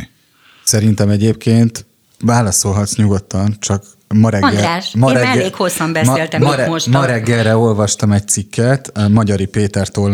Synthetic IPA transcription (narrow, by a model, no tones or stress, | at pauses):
sɛɾint̪ɛmɛɟeːp̚kʰeːnt̪ | vaːlɒso̞lɦɒt̪sɲuɡo̞t̪ːɒnt͡ʃɒk | mɒɾɛɡʃmɒɾɛmɛeːkhosːɒmbɛseːlt̪ɛmɒɛʃmɒɾɛɡːɛrːɛo̞lvɒʃt̪ɒmɛc̚t̪sikːɛt̪mɒɟɒɾipeːt̪ɛrt̪oːl